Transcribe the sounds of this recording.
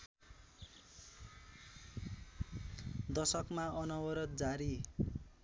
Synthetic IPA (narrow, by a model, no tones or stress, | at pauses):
d̪ʌsʌkmaʌnʌwʌɾʌt̪̚d͡zaɾi